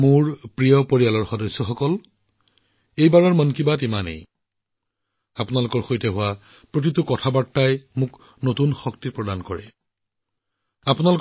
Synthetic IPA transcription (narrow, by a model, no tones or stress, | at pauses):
mʊɹpɹijɔpoɹijalɔɹxɔdɔsːɔxɔkɔl | ejbaɹɔɹmɔnkibatimanḛj | apʊnalʊkɔɹxojtɛɦʊwa | pɹot̬itʊkɔtʰabatːajmʊk | notunxɔktiɹpɹɔdankɔɹɛ̰ | apunalʊk